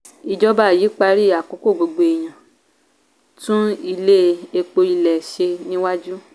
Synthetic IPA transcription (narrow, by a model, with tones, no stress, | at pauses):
i˧d͡ʒɔ˦ba˦˨jiː˨˦k͡pa˧ɾi˦˨a˨ko˨˦ko˦˨ɡ͡bo˧ɡ͡be˧e˨j̃ã˨ | tũ˦i˧le˦e˧k͡po˧ɾi˧lɛ˨ʃe˧nĩ˦wa˦d͡ʒu˦